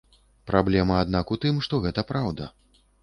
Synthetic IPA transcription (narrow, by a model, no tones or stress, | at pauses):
pɾʔablʲɛmɐad̪nakut̪ɨmʂt̪ɔɣɛt̪ɐpɾawd̪ɐ̰